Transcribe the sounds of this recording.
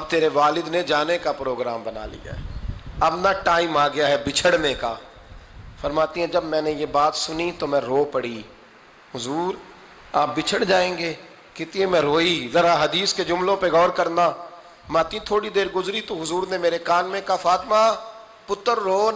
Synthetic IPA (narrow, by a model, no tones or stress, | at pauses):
ɐb̚t̪eːɾeʋaːlɪd̪ned͡ʒaːnekapɾoːɡɾaːmbəna̰ːlḭːa̰ɐbnaʈaːimaːɡɪjaːɦɛbɪt͡ʃʰəɽnẽkaː | fəɾmaːt̪iɦɛ̃d͡ʒəbmɛ̃ːnẽjeːbaːt̪sʊnit̪omɛ̃ːɾoːpəɽiː | ɦʊzuːɾ | aːp̚bɪt͡ʃʰəɽd͡ʒaːẽːŋɡeː | kɪt̪iẽmɛ̃ːɾoːiːzəɾaːɦəd̪iːsked͡ʒʊmlõːpeɡɔːɾkəɾnaː | ɾmaːt̪iɛ̃t̪ʰoːɽid̪eːɾɡʊzɾit̪õɦʊzuːɾnemeːɾekaːnmẽkafaːt̪maː | pʊt̪ːəɾːoː